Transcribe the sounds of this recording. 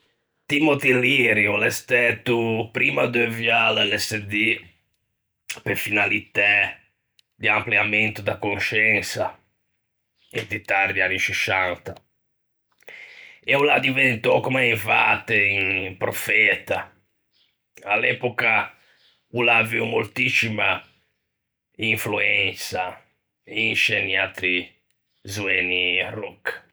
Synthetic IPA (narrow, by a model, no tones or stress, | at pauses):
t̪imot̪iliɾiulɛst̪ɛt̪ːupɾiːmad̪øvjalalɛsed̪i | pefinalit̪ɛ | d̪iampliamɛnt̪ud̪akonʃɛnsa | et̪it̪aɾd̪ianːit͡ʃiʃant̪a | ɛulad̪ivɛnt̪ɔkɔmaiɱvat̪einpɾɔfɛt̪a | alɛpɔka | ulaːviumolt̪isima | iɱfluɛnsa | inʃɛnːiat̪ɾi | zuɛnːirɔk